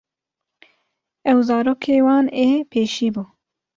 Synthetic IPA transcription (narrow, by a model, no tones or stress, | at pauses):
ɛwzɑːɾoːkʰeːwɑːneːpʰeːʃiːbuː